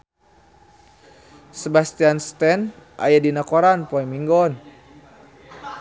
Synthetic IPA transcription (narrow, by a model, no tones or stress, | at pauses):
sɛbast̪ianst̪ɛnʔa̰jadinakɔɾanpɔɛmiŋɡɔn